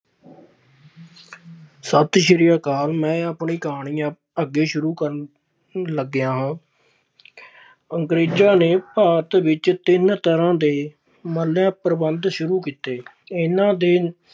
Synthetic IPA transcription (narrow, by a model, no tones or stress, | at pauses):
sət̪ʃɪɾijaːkaːlmɛ̃ːaːpɳiːkaːɳiːãː | əɡːeːʃʊɾuːkəɾ | ləɡɪjãːɦãː | əŋkɾeːd͡ʒaːneːpaːt̪ʋɪt͡ʃt̪ɪnt̪əɾãːd̪eː | məljãːpɾəbənd̪ʃʊɾuːkiːt̪eː | ɪnãːd̪eː